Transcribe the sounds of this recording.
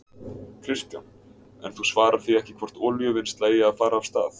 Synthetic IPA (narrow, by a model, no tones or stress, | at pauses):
kʰɾɪskam | ɛ̰nθusvaːɾaɾ̥θiɛhcɪ̥kʰvɔr̥t̪ɔːljʏvɪnst̪leːjɪaðfaːɾaːvst̪aːθ